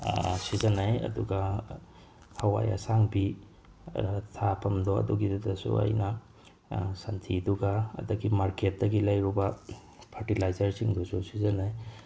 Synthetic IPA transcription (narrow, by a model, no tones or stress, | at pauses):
sizɐnajɐ̰duɡɐ | hɐwa̰ja̰saŋbi | tʰapʰɐmdoɐ̰duɡidadɐsṵɐ̰jnɐ | santʰiduɡaɐ̰dɐɡimaɾket̚dɐɡilajɾubɐ | pʰɐɾtilajzɐɾsiŋdususizɐnaj